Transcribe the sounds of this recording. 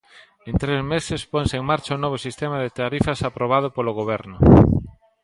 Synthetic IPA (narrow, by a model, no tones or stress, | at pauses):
ẽnt̪ɾezmesesponseŋmaɾt͡ʃaʊnɔβ̞osist̪emaðet̪aɾifɐsapɾoβ̞að̞ʊpoloɣ̞oβ̞ɛɾnʊ